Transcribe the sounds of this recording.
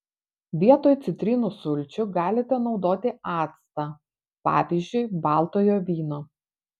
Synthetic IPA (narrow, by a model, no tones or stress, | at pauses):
ʋʲiɛt̪oːjt̪sʲɪt̪ʲɾʲɪnuːsʊlʲt͡ʃʲʊɡɑːlʲɪt̪ʲɛnɒʊd̪oːt̪ʲɪɑːt̪st̪ɐ | pɑ̰ːʋʲiːzʲd͡ʒʲʊɪbɑːˑlˠt̪oːjoːʋʲiːnoː